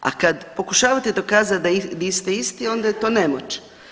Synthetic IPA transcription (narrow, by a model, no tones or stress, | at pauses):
a̰kad̪po̞kuʃaːʋat̪ed̪o̞kaːzat̪d̪ad̪ist̪eist̪io̞nd̪ajet̪o̞ːnemot͡ʃe̥